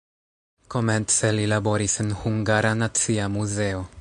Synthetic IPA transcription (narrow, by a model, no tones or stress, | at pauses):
ko̞menselilabo̞ɾisenhuŋɡaɾanat͡siamuzeo̞